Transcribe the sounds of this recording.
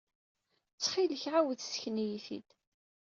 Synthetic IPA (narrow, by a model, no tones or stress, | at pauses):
t͡sːχiləçʕawəðsə̥çnijiθḭd̪